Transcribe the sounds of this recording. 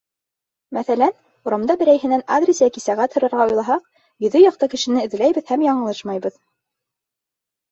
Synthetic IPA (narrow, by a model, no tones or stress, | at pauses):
mæθælæn | uɾɑmd̪ɑbɘ̆ɾæjɦɘ̆næna̰d̪rʲesjækisæʁæt̪hɤ̆ɾɤ̆ɾʁɑujlˠɑɦɑq̚ | jɵ̆ðɵjɑq̚t̪ɑkɘ̆ʃɘ̆nɘɘ̆ðɘ̆læjβɘðhæmjɑɴɤ̆lˠɤʃmɑjbɤð